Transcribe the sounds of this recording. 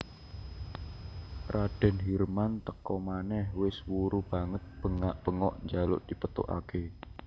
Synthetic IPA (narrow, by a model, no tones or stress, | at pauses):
raɖ̥ɛ̤nɦirmant̪əkɔmanɛhwɪswuɾub̥a̤ŋət̪̚b̥əŋaʔb̥əŋɔʔɲd͡ʒalʊ̰ʔd̪̥i̤pət̪ʊ̰ʔa̰ke